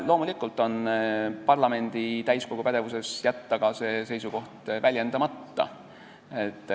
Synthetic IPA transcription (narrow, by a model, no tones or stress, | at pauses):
lo̞ːmulikːˑult̪ːˑo̞npɑrlɑme̞nd̪̥it̪æjsko̞ɡ̥upæd̪evuse̞sjæt̪ːɑɡ̥ɑse̞se̞jsuko̞ht̪vælʲjend̪̥ɑmɑt̪ːɑ̰ | et̪ˑː